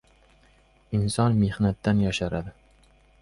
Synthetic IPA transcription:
ɪnsɒnme̞hnat̪ːanjɒʃaɾad̪ɪ

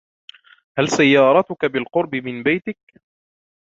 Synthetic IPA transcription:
halsajːɑːɾˤɑt̪ʊkabɪlqʊɾbɪmɪnbajt̪ɪk̚

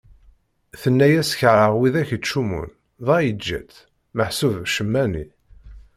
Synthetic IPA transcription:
θənːæjæsçɾˤəʁwiðæçt͡ʃːumṵn | ðˤɑjəd͡ʒːæ̰t͡s̪ | məħsuvʃəmːænḭ

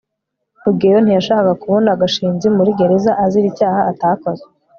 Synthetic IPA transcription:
ubɡejon̥ijaʃaːkakakuβonaɡaʃiːnzimuɾiɡe̞ɾe̞zaʔaziɾicaːhaːtako̞ze

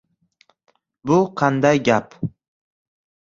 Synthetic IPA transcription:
bʊqʰɑnd̪ajɡʲap

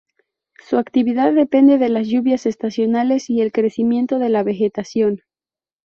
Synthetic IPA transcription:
suakt̪iβiðaðːe̞pe̞nd̪e̞ðe̞lazʝuβjase̞st̪asjo̞nale̞sie̞lkɾe̞simjẽ̞nt̪o̞ð̞e̞laβe̞xe̞t̪asjo̞n

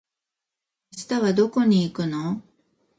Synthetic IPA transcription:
ɕi̥t̪aβad̪o̞ko̞ɲ̟iːkɯ̟no

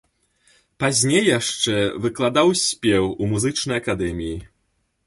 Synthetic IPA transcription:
pazʲnʲejːaʂt͡ʂɛvɨklˠad̪awsʲpʲɛwumuzɨt͡ʂnɐjakad̪ɛmʲiji

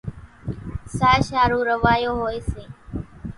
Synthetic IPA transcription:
saːʃaːɾũːɾəʋaːjoːɦoːeːseː

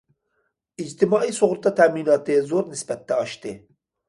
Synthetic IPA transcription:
id͡ʒt̪imɑːiːsoɣɾt̪at̪ʰæmiːnɑːt̪ezoːɾnisbæt̪̚d̪aɑʃt̪e

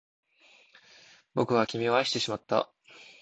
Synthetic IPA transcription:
bo̞kɯ̟βakʲimʲioaɕit̪e̞ɕimat̪ːa̰

